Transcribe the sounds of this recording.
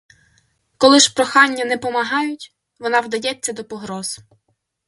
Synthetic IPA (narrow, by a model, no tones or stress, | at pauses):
kɔlˠɪʃpɾɔxɑnʲːɐnɛpɔmɐɦɑjʊtʲ | ʋɔnɑwd̪ɐjɛt͡sʲːɐd̪ɔpɔɦɾɔz̥